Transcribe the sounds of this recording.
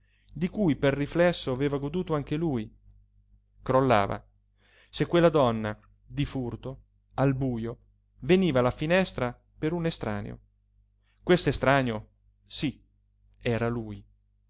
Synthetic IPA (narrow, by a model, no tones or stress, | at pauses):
d̪ikujperːiflɛsːoaveːvaɡod̪uːt̪oaŋk̟eluj | kɾolːa̰ːva̰ | sekːwelːad̪ɔnːa | d̪ifurt̪o | albuːjo | veniːvalafinɛst̪ɾa | peɾunest̪ɾa̰ːnḛo̰ | kwest̪oest̪ɾaːnjo | si | ɛːɾaluːj